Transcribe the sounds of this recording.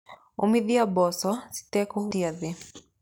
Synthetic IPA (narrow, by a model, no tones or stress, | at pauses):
umiðiabɔsɔsi̥tɛkuhuiaði